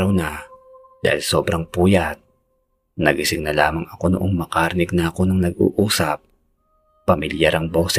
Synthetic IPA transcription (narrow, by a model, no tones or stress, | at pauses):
ɾɐwnɐ | d̪a̰ːhɪlso̞ːbɾɐŋpuːjɐt̪̚ | nɐɡɪsɪɡ̚nɐlaːmɐŋɐko̞nʊʔoŋmɐkaɾɪnɪɡ̚nɐɐko̞nɐŋnɐɡ̚ṵʔuːsɐp̚ː | ɐmɪljaɾɐŋbo̞ːsɛ